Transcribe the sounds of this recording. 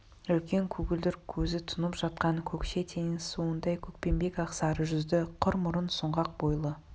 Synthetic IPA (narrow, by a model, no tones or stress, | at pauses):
ʏlkʲe̞ŋkʲʰʉɡʲɪld̪ɪɾkʲʰɵzɪt̪ʰʊnəpʒ̥ɑt̪̚qɑŋkʲʰɵkʃet̪ʰe̞ŋɪsuwənd̪ɑjkʲʰɵk̚pe̞mbe̞kɑqsɑɾəʒʏzd̪ɪqʰʊɾmʊɾənsʊɴʁɑq̚bo̞jlˠə